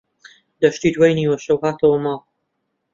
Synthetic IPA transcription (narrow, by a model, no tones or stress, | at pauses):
d̪ɐʃt̪iːt̪wɐjniːwɐʃɐwhaːt̪ʰɐwɐmaːl